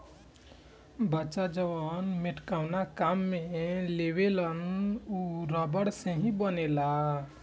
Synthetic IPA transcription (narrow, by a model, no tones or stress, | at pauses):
bəːt͡ʃad͡ʒəʋənmɪʈkawnakamːẽlewelənuɾəbəɽsẽɦĩbənela